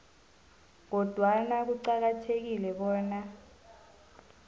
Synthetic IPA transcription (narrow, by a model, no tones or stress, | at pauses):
k̬ɔd̥ʱwanak̬uǀak̬atʰek̬ilɛɓɔːna